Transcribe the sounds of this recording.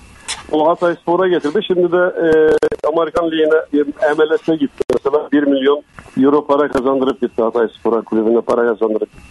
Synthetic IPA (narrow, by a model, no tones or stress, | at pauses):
ulˠɑt̪ɑispoɾɑkʲɛt̪ʰɪɾd̪ɪʃɪmd̪ɪd̪ɛ | ɑmeɾɪkɑnlijinɛɛmɛlːɛt̪ːɛkʲet̪ːɪmɛsɛlɛnbiɾmiljonjuɾopʰɑɾɑqɑzɑnd̪ɨɾɨp̚kʲʰɛt̪ːɪɑt̪ɑispoɾɑkʲʰlubɪnɪpʰɑɾɑkɑzɑnd̪ɯɾɨp̚kʰʲe̥t̪ːɪ